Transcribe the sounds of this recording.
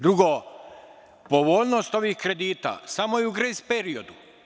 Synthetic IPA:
d̪ɾuɡo | po̞ʋoːʎnost̪o̞ʋiːxkɾe̞d̪iːt̪a̰samo̞iuɡɾezpeɾio̞d̪u

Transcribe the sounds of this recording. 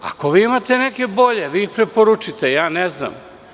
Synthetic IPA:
a̰ko̞ʋiːimat̪e̞nekʲe̞bo̞ʎeʋiːixpɾepoɾut͡ʃit̪ejaːnezna̰m

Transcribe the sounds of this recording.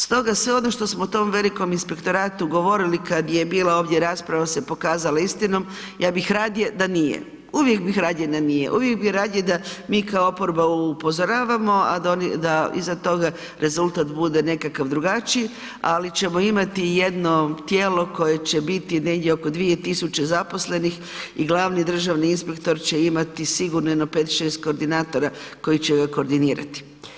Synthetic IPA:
st̪o̞ɡasʋeo̞noʃt̪o̞smout̪o̞mʋe̞liko̞minspe̞kt̪o̞ɾaːt̪uɡo̞ʋo̞ɾilikad̪jeebiːlˠao̞ːʋd̪je̞ɾaːspɾaʋasepo̞kaːzalaist̪ino̞m | jʔaːbixɾaːd̪jed̪anijḛ | uʋje̞kbixɾaːd̪jed̪anijḛʔuʋjek̚biɾaːd̪jed̪amiːkaoopo̞ɾbaupo̞zoɾaːʋamo̞a̰d̪onid̪aḭzat̪o̞ɡa | ɾʔe̞zulˠt̪aːt̪bud̪ene̞kakaʋd̪ɾuɡat͡ʃi | a̰lit͡ɕe̞mo̞imat̪ijed̪no̞t̪jeːlo̞ko̞je̞t͡ɕe̞bit̪ine̞ɡd̪ʲjeoko̞d̪ʋiet̪isut͡ɕe̞zapo̞sle̞nix | iɡlˠaːʋnid̪r̩ʒaʋniinspe̞kt̪o̞ɾt͡ɕe̞imat̪isiɡuɾnojnope̞t̪ʃe̞ːst̪̚ko̞ːɾd̪inaːt̪o̞ɾako̞jit͡ɕeɡako̞ːɾd̪iniːɾa̰t̪i̥

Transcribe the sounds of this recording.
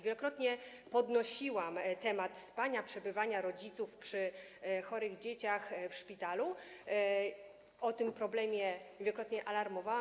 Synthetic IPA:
vʲjɛlɔkɾɔt̪ɲɛ | pɔd̪nɔɕiwamt̪ɛmat̪spaɲapʂɛbɘvaɲaɾɔd͡ʑit̪sufpʂɘxɔɾɘɣd͡ʑet͡ɕaxfʂpʲit̪alu | ɔt̪ɘmpɾɔblɛmʲjɛvʲjɛlɔkɾɔt̪ɲɛʔalaɾmɔvawa

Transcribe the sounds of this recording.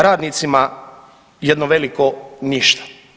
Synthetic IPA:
ɾaːd̪niːt̪sima | jed̪noʋelikoniʃt̪ḁ

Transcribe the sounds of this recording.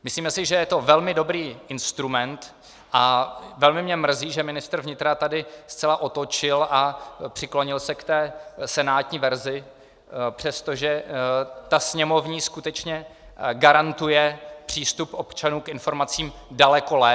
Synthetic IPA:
mɪsliːmɛsɪʒɛjɛt̪o̞vɛlmɪdo̞bɾiːʔɪnst̪ɾumɛnt̪ | ʔavɛlmɪmɲɛmr̩ziːʒɛmɪnɪst̪r̩vɲɪt̪ɾat̪adɪst͡sɛlaʔo̞t̪ot͡ʃɪlʔapr̥ɪkloɲɪlsɛkt̪ɛːsɛnaːt̪ɲiːvɛɾzɪ | pr̝̥ɛst̪o̞ʒɛ | t̪asɲɛmo̞vɲiːskut̪ɛt͡ʃɲɛ | ɡaɾant̪ujɛpr̝̥iːst̪upʔo̞pt͡ʃanuːkʔɪnfo̞ɾmat͡siːmdalɛko̞lɛː

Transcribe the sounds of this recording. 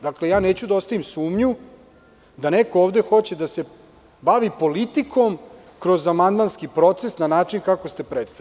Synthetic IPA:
d̪akle̞jaːneːt͡ɕud̪ao̞st̪aʋimsuːmɲu | d̪anekooːʋd̪e̞xo̞t͡ɕed̪ase̞ | baʋipo̞lit̪ikʰo̞m | kɾo̞zamand̪manskipɾo̞t̪se̞snanaːt͡ʂinkakost̪e̞pɾet̪st̪a

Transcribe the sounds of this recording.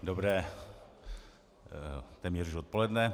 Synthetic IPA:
dobrɛː | t̪ɛːmɲɛruʃot̪̚po̞lɛdnɛ

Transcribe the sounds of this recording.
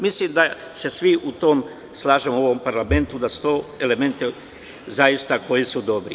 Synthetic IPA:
mislimd̪a | se̞sʋiʔut̪o̞ːm | slˠaːʒemooʋo̞mpaɾlame̞nt̪ud̪asu̥t̪oːe̞le̞me̞nt̪i | zajist̪ako̞jisud̪o̞bɾi

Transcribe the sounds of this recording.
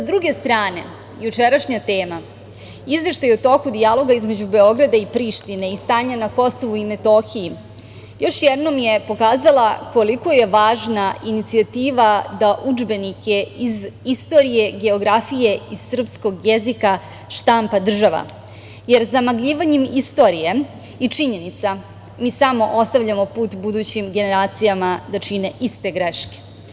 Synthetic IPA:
sad̪ɾuɡe̞st̪ɾaːne̞̰ | jut͡ʃeɾaʃɲat̪e̞ːma | izʋe̞ʃt̪ajeut̪o̞kud̪ialˠo̞ɡaizme̞d͡ʑube̞o̞ɡɾad̪aipɾiːʃt̪ine̞ist̪aːɲanako̞so̞ʋuime̞t̪o̞xiji | jo̞ʃjed̪no̞mje̞po̞kaːzalˠako̞liko̞je̞ʋaːʒnaʔinit̪siat̪iːʋad̪aʔud͡ʒbe̞nike̞izist̪o̞ːɾije̞ɡe̞o̞ɡɾafije̞iz̥sr̩psko̞ɡjezika | ʃt̪ampad̪r̩ʒaʋa̰ | jeɾzamaɡʎiːʋaɲemist̪o̞ɾije̞ | it͡ʂiɲe̞nit̪sa | miːsamo̞ʔo̞st̪aʋʎamo̞puːt̪bud̪uːt͡ɕimɡe̞ne̞ɾaːt̪sijamad̪at͡ʃine̞ʔist̪e̞ɡɾeʃke̥

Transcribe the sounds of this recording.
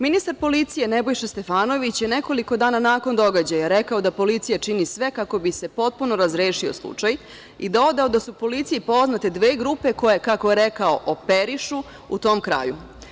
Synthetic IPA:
minist̪aɾpo̞lit̪sije̞nebo̞jʃest̪e̞faːno̞ʋit͡ɕjene̞ko̞liko̞d̪aːnanaːko̞nd̪o̞ɡad͡ʑajaɾekao̞d̪apo̞lit̪sijat͡ʂinisʋe̞kako̞bise̞po̞t̪̚puno̞ɾazɾeːʃio̞̰slˠṵt͡ʂaj | id̪aod̪aod̪asupo̞lit̪sijipo̞znat̪e̞d̪ʋe̞ːɡɾupe̞ko̞jekakoje̞ɾekaoʔope̞ɾiʃu | ut̪o̞ːmkɾa̰ːjṵ

